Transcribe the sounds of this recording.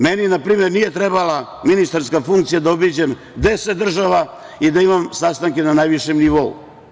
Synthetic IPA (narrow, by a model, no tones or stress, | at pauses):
meninapɾiːmjeɾnije̞t̪ɾebala | minist̪aɾskafuŋkt̪sijad̪aobid͡ʑem | d̪e̞set̪ːr̩ʒaʋa | id̪aimamsast̪aŋke̞nanajʋiʃemniʋoṵ